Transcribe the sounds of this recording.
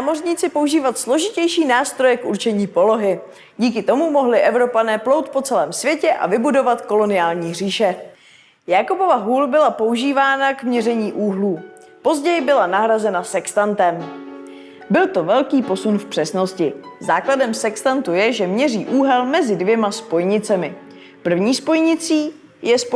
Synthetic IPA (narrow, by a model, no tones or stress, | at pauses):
namo̞rɲɪt͡sɪpo̞uʒiːvat̪slo̞ʒɪcɛjʃiːnaːst̪ɾo̞jɛkʔuɾt͡ʃɛɲiːpo̞lo̞ɦɪ | ɟiːk̬ɪt̪o̞mumo̞ɦlɪʔɛvɾo̞panɛːplowt̪̚po̞t͡sɛlɛːmsvjɛcɛʔa̰vɪbudo̞vat̪ko̞lo̞nɪaːlɲiːr̝iːʃɛ | jakopo̞vaɦuːlbɪlapo̞uʒiːvaːnakmɲɛrɛɲiːʔuːɦluː | po̞zɟɛjɪbɪlanaɦɾazɛnasɛkst̪ant̪ɛm | bɪlt̪o̞vɛlkiːpo̞sunfpr̝̥ɛsno̞scɪzaːkladɛmsɛkst̪ant̪ujɛʒɛmɲɛriːʔuːɦɛlmɛzɪdvjɛmaspo̞jɲɪt͡sɛmɪ | pr̩vɲiːspo̞jɲɪt͡siː | jɛsp